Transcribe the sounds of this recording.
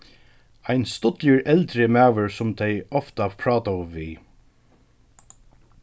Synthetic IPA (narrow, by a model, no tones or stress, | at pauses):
ajnst̪ʊt̪ləɹʔɛlt̪ɾɪmæːʋəɹsʊmt̪ʰɛjɔft̪apʰɹɑːt̪aʊʋiː